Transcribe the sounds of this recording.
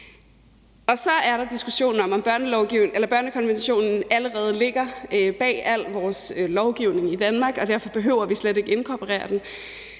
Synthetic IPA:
ɒ̽sɒ̽æɐɾɑ̈d̥isɡ̥uɕo̝̰ːn̩ɒ̽mɒ̽mb̥ɶɐnəlɒʊɡ̥iʊelɐb̥ɶɐnəkʰɒ̽nʋenɕo̝̰ːnn̩æləʁɛːð̞̩ˠle̝ɡ̥ɐøb̥ɛ̰ːæl̰ʋɒːslɒʊɡ̥iʊne̝ŋid̥ænmɑ̈ːɡ̥ɒ̽d̥æɐfɒ̽b̥e̝ɦøʊɐʋisled̥e̝ɡ̥e̝nkʰɒpʰəʁɛ̰ːɐd̥en

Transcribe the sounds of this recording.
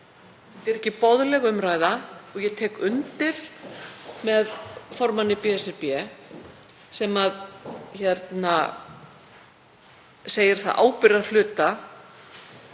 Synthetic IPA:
t̪ɪɾɛhcːɪpɔðlɛɣʏmraːjðaɔɣjɛt̪ʰɛːkʏnt̪ɪɾ̥ | mɛðfɔɾmanːɪpɛːɛsɛɾpjɛ | sɛmaðçɛɾt̪na | seːjɪɾ̥θa̰ðʔa̰ːwpɪɾaɾlʏːt̪a

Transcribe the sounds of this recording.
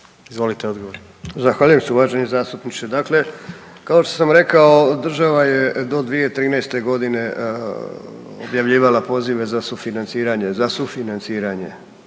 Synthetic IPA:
izʋolit̪eod̪ɡoʋoɾ | zaxʋaːʎujemseuʋaːʒe̞ɲezaːst̪upnit͡ʃ̪ed̪akle̞ | kao̞ʃt̪o̞samɾe̞kao̞d̪r̩ʒaʋajed̪o̞d̪ʋije̞t̪ɾiːnɛjst̪e̞ɡo̞d̪ine̞ | o̰bjaʋʎiːʋalapo̞ziʋe̞zasufinant̪siːɾaɲe̞zasufinant̪siːɾaɲe̞̰

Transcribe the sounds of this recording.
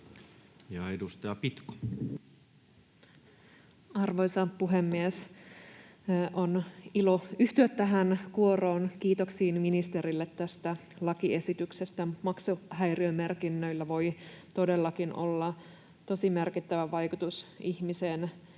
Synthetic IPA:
jɑedust̪ɑjɑpit̪ko̥ | ɑrʋo̞jsɑpuɦe̞mːies | ʔo̞nilo̞yht̪yøt̪ːæɦænkuo̞ro̞ːnkiːt̪oksiːnminist̪e̞ɾilːet̪ːæst̪æ | lɑkie̞sit̪yksest̪æmɑksuɦæjriøme̞rkinːø̞ilːæʋo̞jt̪o̞de̞lːɑkinʔo̰lːɑ | t̪o̞simerkit̪ːæʋæʋɑjkut̪usiçmiseːn

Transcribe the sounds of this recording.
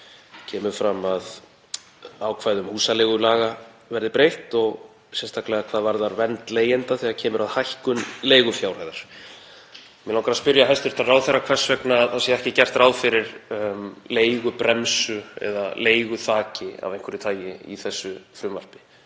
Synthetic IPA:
cʰɛːmʏɾ̥fɾamað | aːwkʰvaːjðʏmhuːsaleɣʏlaːɣa | vɛɾðɪpɾejht̪ɔɣ | sɛnst̪ʰaklɛɣakʰaːðvaɾðaɾvɛnt̪leːjɪnt̪aθɛɣacʰɛːmʏɾaðhajhkʏnleːjɣʏfjawrajðaɾ̥ | mɛnlawŋkaɾaðspʏɾjaɦɛst̪ʏɾ̥t̪araːwðθɛrːakʰvɛr̥svɛknaːðθasjɛɛhcɪcɛr̥t̪ɾaːwðfɪɾɪɾ | leːjɣʏpɾɛmsʏɛ̰ðaleːjɣʏθaːcɪa̰vejŋkʰvʏɾɪt̪ʰaːjjɪḭθɛsːʏfɾʏmvar̥pɪ̥

